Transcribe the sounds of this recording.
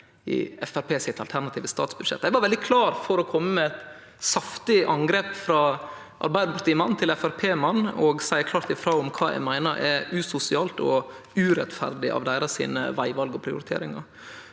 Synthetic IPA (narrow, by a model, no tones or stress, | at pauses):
ɪ̰ɛfæɾpʰeːsɪt̪ɑlt̪ʰæɾnɑt̪ʰiːʋəst̪ɑ̰ːt̪sbʉd̪ʂɛ̰t̪ːæɪɡʋɑɾʋɛld̪ɪkʰlɑːɾfɔɾɔkʰɔmːəmɛɛt̪ | sɑft̪ɪʔɑŋɡɾeːpfɾɑː | ʔɑ̰ɾbæɪəpɑɾt̪imɑnt̪ʰɪlɛfæɾpʰeːmɑnːɔɡsæɪkʰlɑːɾt̪ɪfɾoːʊmkʰɑːɛ̰ɪmæɪnəɾʔɛ̰ʉːsʊsɪɑːlt̪ɔ̰ | ʉːɾɛt̪fæ̰ɾd̪ɪʔɑ̰ʋd̪æɪɾɑsḭːnə̰ʋæɪʋɑlɡɔpʰɾɪʊɾɪt̪ʰḛːɾɪŋɑ̰